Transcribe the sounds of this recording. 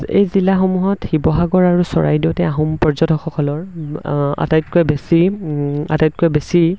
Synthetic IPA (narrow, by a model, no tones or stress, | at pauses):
ḛjzilaxɔmuɦɔtxibɔɦaɡɔɹaɹusɔ̰ɹa̰jdiʊtɛaɦumpɔɹzɔtʰɔxɔkɔlɔɹ | a̰tajt̚koɛbesi | a̰tajt̚kojbesi